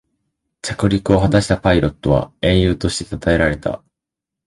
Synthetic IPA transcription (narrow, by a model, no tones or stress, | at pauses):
t͡ɕakɯ̟ɾʲikɯ̟o̞ɦat̪aɕi̥t̪apaiɾo̞t̪ːo̞βa̰ẽ̞ɰ̃jɯ̟ːt̪o̞ɕi̥t̪e̞t̪at̪ae̞ɾaɾe̞t̪a̰